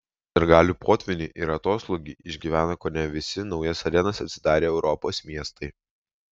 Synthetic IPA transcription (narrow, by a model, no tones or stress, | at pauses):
d̪ʲɛɾɡɑːlʲuːpʰoːt̪ʲʋʲɪnʲiːʔɪɾɐt̪oːslˠoɡʲiːʔɪʒʲɡʲiːʋʲæːnɐkoːnʲɛʋʲɪsʲɪnɒʊjɐsɐɾʲɛnɐsɐt̪ʲsʲɪd̪ɑːɾʲeːɛʊɾɔpoːsmʲiɛst̪ɐɪ